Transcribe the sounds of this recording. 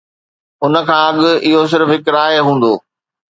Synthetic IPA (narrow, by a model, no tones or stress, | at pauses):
ʊnə̆kʰãːɐɠʊɪɦos̬ɪɾfɦɪkɾaːɦeɦũːn̆d̪oː